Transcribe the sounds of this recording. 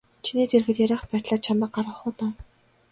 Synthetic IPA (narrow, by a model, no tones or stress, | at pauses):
t͡ɕʰiniːt̪ʰerxɘ̆t̪jæɾʲæːχpæːt̪ɮaːt͡ɕʰamə̆q̚ɢaɾʁə̆χʊːt̪aː